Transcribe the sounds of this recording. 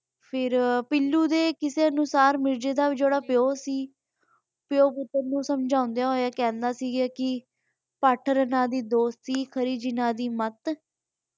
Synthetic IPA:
pʰɪɾpɪlːuːd̪eːkɪseːənʊsaːɾmɪɾd͡ʒeːd̪aːʋid͡ʒoːɽaːpjoːsiː | pjoːpʊt̪ːəɾnũːsəmd͡ʒãːʊnd̪ejaːɦoːjaːkɛ̃ːnd̪aːsiːɡaːkɪ | paːʈʰɾənãːd̪iːd̪oːst̪siːkʰəɾiːd͡ʒɪnaːd̪iːmət̪

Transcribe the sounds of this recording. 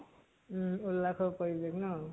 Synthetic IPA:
ulːakʰɔkɔɹibeknɔ

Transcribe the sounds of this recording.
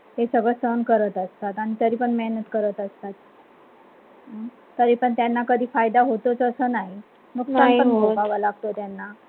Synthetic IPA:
hesəɡɭəsənkəɾət̪əst̪at̪aɽ̃it̪əɾiːpəɳmɛɦnət̪kəɾət̪əst̪at̪̚ | t̪əɾiːpəɳt̪janːakəd̪ʱiːfajd̪aɦot̪ot͡səsəːnaɦi | nuksanpəɳɡopaʋalaɡ̚t̪ot̪janːa

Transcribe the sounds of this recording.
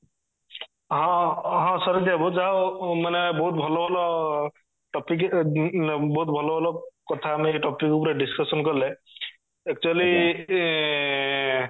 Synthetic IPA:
ɦɔ̃ɦɔ̃sɔɾed̪ijabɔzaʊmanɛbɔɦut̪̚bʱɔlɔbʱɔlɔ | ʈɔpik | bɔɦut̪̚bʱɔlɔbʱɔlɔkɔt̪ʰamɛʈɔpikupɾeɖiskɔsɔnkɔɾlɛ | ɛk̚t͡ʃuali

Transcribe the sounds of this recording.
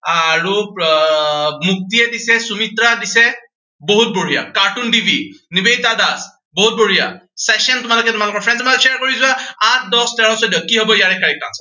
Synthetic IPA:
aɹu | muk̚tiɛdisɛsumitɹadisɛ | boɦut̚boɹija̰kaɹtundibʱinibejtadas | boɦut̚boɹija̰sɛkʃɔntʊmalʊkɛtʊmalʊkɔɹpʰɹɛnsmaʃɛaɹkoɹizɔãat̚ʰdɔstɛɹɔ̃sɔdijɔkiɦobɔijaɹɛkːaɹik̚ːa̰nsḁ

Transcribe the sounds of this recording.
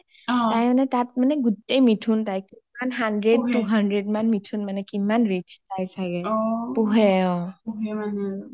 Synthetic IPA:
tajmanɛtat̚manɛɡutejmitʰuntajkimanɦandɹed̚tuɦandɹedmanmitʰunmanɛkimanɹit͡ʃtajsakɛpuɦɛɔ̃puɦɛman

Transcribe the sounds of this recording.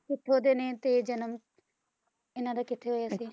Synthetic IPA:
kɪt̪ʰːeɦoːd̪eːnẽːt̪eːd͡ʒənəm | ɪnãːd̪aːkɪt̪ʰːeɦoːjaːsiː

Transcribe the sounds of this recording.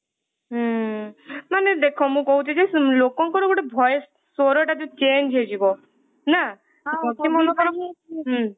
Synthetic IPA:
ɦ | maned̪ekʰɔmũkɔɦut͡ʃʰid͡ʒʰelokɔŋkɔɾoɡoʈebʱɔj | sɔɾɔʈat̪ũt͡ʃend͡ʒʱɦed͡ʒibɔ | na | imɔnɔɾɦ

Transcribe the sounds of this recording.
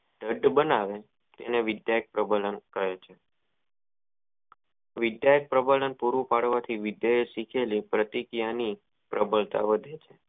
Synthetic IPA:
ɖəɖbənaʋe | t̪ḛneʋɪd̪jajək̚pɾəbələnkəɾet͡ʃʰe | ʋɪd̪jajək̚pɾəbələnpuɾupaɽʋat̪ʰiʋɪd̪jəesikʰelipɾət̪ikijani | pɾʔəbəlt̪a̰ʋəd̪ʱet͡ʃʰe

